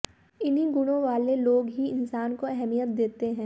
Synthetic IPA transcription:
ɪniɡʊɽ̃õʋaːleloːɡɦiɪnsaːnkoɛɦɛmijət̪̚d̪eːt̪eɦɛ̃ː

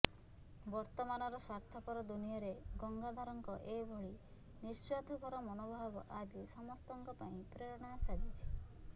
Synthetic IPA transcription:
bɔɾt̪ɔmanɔɾɔsaɾt̪ʰɔkɔɾɔd̪unijɔɾeɡɔŋɡad̪ʱaɾɔŋkɔʔebʱɔɭi | niɾsɔd̪ʱɔbʱɔɾɔmɔnobʱabɔʔad͡ʒisɔmɔst̪ɔŋkɔpaĩpɾeɾɔɽ̃asad̪it͡ʃʰi̥

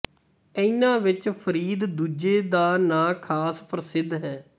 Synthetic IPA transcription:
əiːnãːʋɪt͡ʃpʰəɾiːd̪d̪uːd͡ʒeːd̪aːnãːkʰaːspʰəɾsɪd̪ɦɛː

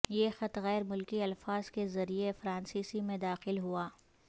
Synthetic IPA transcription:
jeːxɐt̪ɣɛːɾmʊlkiɐlfaːz̥kezɐɾiefɾãːnsiːsimẽd̪aːxɪlɦuaː

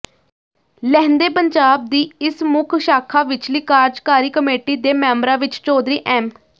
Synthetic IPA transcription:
lɛːnd̪eːpəɲd͡ʒaːb̚d̪iːɪsmʊkʰʃaːkʰaːʋɪt͡ʃliːkaːɾd͡ʒkaːɾiːkəmeːʈiːd̪eːmɛ̃ːmbɾãːʋɪt͡ʃt͡ʃoːd̪ɾiːʔɛːm

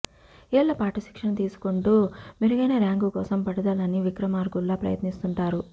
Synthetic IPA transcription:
ilːɐpaːʈɐʃi̥kʂɐnɐt̪iːsu̥koɳʈuːmiɾuɡɐjneɾaːŋɡuːkɔ̰ːsɐmpɐɽɐd̪aːlɐniʋikɾɐmaːɾɡulːɐaːpɾɐ̰jɐ̰t̪nist̪uɳʈaːɾu

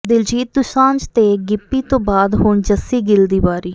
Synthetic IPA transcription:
d̪ɪld͡ʒiːt̪̚d̪ʊʃãːɲd͡ʒt̪eːɡɪpːiːt̪õːbaːd̪ɦʊɳd͡ʒəsiːɡɪld̪iːbaːɾiː

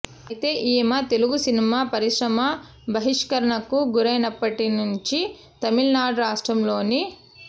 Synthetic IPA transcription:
jt̪e̞ːʔiːmaːt̪e̞luɡusinimaːpɐɾiʂɾɐmaː | bɐɦiʂkɐɾɐɳɐkuɡuɾɐjnɐpːɐʈinuɲt͡ʃi | t̪ɐmilnaːɽɐɾaːʂʈɾɐmlo̞ːni

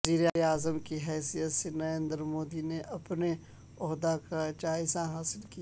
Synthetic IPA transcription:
ziːɾeaːzəmkiɦɛːsijət̪senɐɾẽːnd̪əɾmoːd̪ineʔɐpne | ɔɦd̪akad͡ʒaːɪzaɦaːsɪlkia

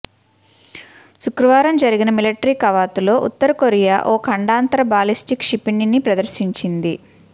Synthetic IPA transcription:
ʃukɾɐʋaːɾɐmd͡ʒɐɾiɡinɐmilɐʈɐɾiːkɐʋaːt̪ulo̞ːʔṵt̪ːɐɾɐkoɾijaʔo̞ːkʰɐɳɖaːnt̪ɾɐbaːlisʈikʂipininːipɾɐd̪ɐɾʃiɲt͡ʃind̪i

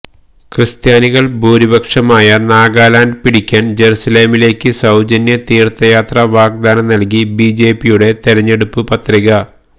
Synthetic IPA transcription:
krɨst̪jaːniɣɐɭbʱuːɾibɐkʂɐmaːjɐnaːɡaːlaːnɖpiɽikʲːaːnd͡ʑe̞ɾusɐle̞ːmile̞ːkʲːɨsɐwd͡ʑɐnjɐt̪iːrt̪ːɐjaːt̪rɐʋaːɡ̚d̪aːnɐmnɐlkibiːd͡ʑe̞ːpijuɽe̞t̪eɾɐɲːe̞ɽupːɨpɐt̪riɣɐ

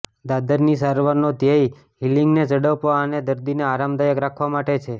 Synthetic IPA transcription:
d̪ad̪əɾnisaɾʋaɾnod̪jaj | ɦiliŋɡned͡ʒəɽəʋpʋaəned̪əɾd̪ineaɾamd̪ajəkɾakʰʋamaʈet͡ʃʰe

